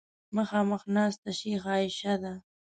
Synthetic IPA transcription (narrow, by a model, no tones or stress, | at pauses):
məxɑːməxnɑːst̪aʃixɑːɪʃad̪a